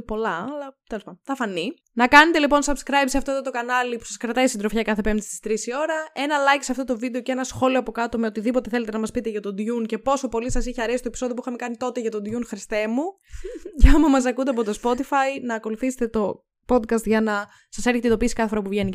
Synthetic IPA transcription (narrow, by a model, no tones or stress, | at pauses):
po̞lɐɐlɐt̪e̞le̞spɐnθɐfɐni | nɐkɐne̞t̪e̞lipo̞nsɐbskɾɐjbseɐft̪ot̪ot̪o̞kɐnɐlipu̥sɐskɾɐt̪ɐistind̪ɾo̞fçɐkɐθe̞pe̞md̪ist̪i̥st̪ɾisio̞ɾɐe̞nɐlɐjcsɐft̪o̞t̪o̞vid̪eoceenɐsxo̞lioɐpo̞kɐt̪omeo̞t̪iðipot̪e̞θe̞le̞t̪enɐmɐspit̪e̞ʝɐt̪o̞d̪ʝunce̞po̞so̞po̞lisɐsiçeɐɾe̞si̥t̪oepisoðiopixɐme̞kɐnit̪o̞t̪e̞ʝɐt̪o̞d̪ʝunxɾist̪emu | ceɐmɐmɐs̬ɐkund̪eɐp̬ot̪o̞spo̞t̪ifɐjnɐːko̞luθiset̪et̪o̞ | po̞d̪kɐst̪ʝɐnɐ | sɐseɾçet̪et̪o̞pisi̥kɐθe̞fo̞ɾɐpuvʝe̞ni